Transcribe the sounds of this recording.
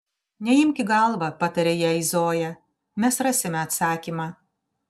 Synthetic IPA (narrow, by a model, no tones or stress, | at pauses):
nʲɛɪmʲkʲɪɡɐlˠʋɐpɐt̪ɐɾʲeːjɛɪzoːjɛ | mʲɛsɾɑsʲɪmʲɛɐt̪sɑːkʲiːmɑː